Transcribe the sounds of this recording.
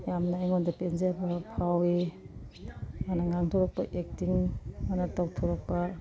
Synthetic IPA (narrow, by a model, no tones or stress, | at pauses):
jamnajŋɔndapenzabapʰawi | manaŋaŋtʰɔɾɔk̚paʔek̚tiŋmanatawtʰɔɾɔk̚pa